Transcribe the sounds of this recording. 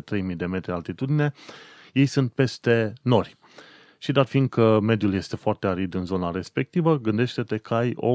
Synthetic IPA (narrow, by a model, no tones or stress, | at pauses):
t̪ɾe̞jmid̪e̞me̞t̪ɾialt̪it̪ud̪ine̞ | je̞jsunt̪̚pe̞st̪e̞no̞rʲ | ʃid̪at̪find̪̚kʰəme̞d̪julje̞st̪e̞foart̪e̞aɾid̪ɨnzo̞naɾe̞spe̞k̚t̪ivəɡɨnd̪e̞ʃt̪e̞t̪e̞kʰəajo̞̰